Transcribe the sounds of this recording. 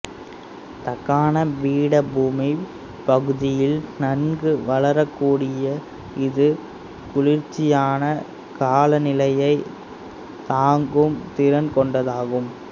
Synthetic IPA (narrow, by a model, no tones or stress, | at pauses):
t̪ɐkːaːnɐʋiːɽɐbuːmɪ | pɐɣɯðɪjɪlnɐnɡɯʋɐlɐɾɐkːuːɽɪjɐ | ɪðɯ | kʊɻɪɾt͡ʃːɪjaːnɐ | kaːlɐnɪlɐjɐɪ | t̪aːŋɡɯmt̪ɪɾɐnkɔɳɖɐðaːɣɯm